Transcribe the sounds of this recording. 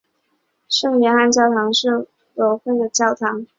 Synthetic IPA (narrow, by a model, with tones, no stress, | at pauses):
ʂɤ˥˩ŋɥɛ˧˥nxa˥˧nt͡ɕjɑ˥˩ʊt̪ʰɑ˧˥ŋʂɻ̩˥˩ | lo˧˥ʊxwe˥˩ɪd̪ə˩t͡ɕjɑ˥˩ʊt̪ʰɑ˧˥ŋ